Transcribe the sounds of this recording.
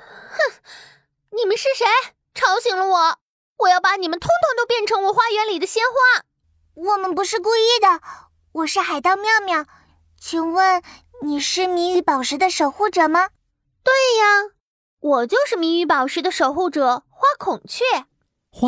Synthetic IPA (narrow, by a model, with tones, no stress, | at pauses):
ni˨˩mə˦nʂɻ̩˥˩ʂe˧˥ɪ | ʈ͡ʂʰɑ˧˥ʊɕi˨˩ŋlə˦wɔ˨˩˦ | wɔ˨˩jɑ˥˩ʊpa˧˥ni˨˩mə˦nt̪ʰʊ˥ŋt̪ʰʊ˧˥ŋt̪o˥ʊpjɛ˥˩nʈ͡ʂʰɤ˧˥ŋwɔ˨˩xwa˥ɥɛ˧˥nli˨˩d̪ə˦ɕjɛ˥nxwa˥˩ | wɔ˨˩mə˧˦npu˧˥ʂɻ̩˥˧k̬u˥˧i˥˩d̪ə˩ | wɔ˨˩ʂɻ̩˥˩xa˨˩ɪt̪ɑ˥˧ʊmjɑ˥˧ʊmjɑ˥˩ | t͡ɕʰi˧˥ŋwə˥˩n | ni˨˩ʂɻ̩˥˩mi˧˥ŋy˧˥pɑ˨˩ʊʂɻ̩˧˥d̪ə˧ʂo˨˩ʊxu˥˩ʈ͡ʂɤ˨˩mɐ˧ | t̪we˥˩ɪa˨˩ | wɔ˨˩t͡ɕjo˥˧ʊʂɻ̩˥˩mi˧˥y˧˥pɑ˨˩ʊʂɻ̩˧˥d̪ə˧ʂo˨˩ʊxu˥˩ʈ͡ʂɤ˨˩xwa˥kʰʊ˨˩ŋt͡ɕʰɥɛ˥˩